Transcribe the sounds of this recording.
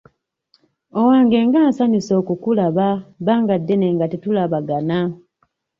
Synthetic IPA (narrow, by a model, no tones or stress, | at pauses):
owaːŋɡe̞ːŋɡaːnsaniso̞ːkukulaβaβaːŋɡadːene̞ŋɡatetulaβaɡana